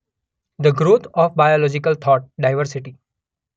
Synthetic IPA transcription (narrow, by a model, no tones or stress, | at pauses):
d̪əɡɾoːt̪ʰɔːfbajolɔːd͡ʒɪkəlt̪ʰɔːʈ̚ɖaɪʋəɾsɪʈi